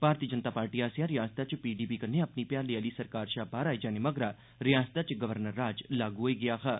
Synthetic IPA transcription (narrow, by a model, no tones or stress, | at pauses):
bʱaːɾt̪iːəd͡ʒənt̪aːpaːɾʈiːaːsjãɾɪjaːst̪at͡ʃpiːɖiːpiːkəneəpniːpjãːlɪaːliːsəɾkaːɾʃaːbaːɾaːid͡ʒaːneməɡɾaː | ɾɪjaːsət̪at͡ʃɡəʋəɾnəɾːaːd͡ʒlaːɡuɦoːiːɡɪjaːkaː